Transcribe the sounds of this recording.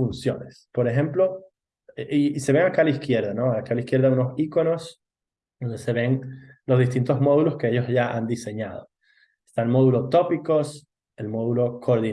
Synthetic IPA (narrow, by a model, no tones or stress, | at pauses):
funsjonespo̞ɾe̞xe̞mplo̞ | eʔiise̞βeŋakalaiskje̞ɾðano̞alakalaiskje̞ɾðaunosiko̞no̞s | d̪ond̪ese̞βe̞nlozðist̪int̪o̞zmo̞ðulo̞skeeʝosʝaʔand̪ise̞ɲað̞o | est̪aelmo̞ðulo̞t̪o̞piko̞s | elmo̞ðulo̞kʰoɾði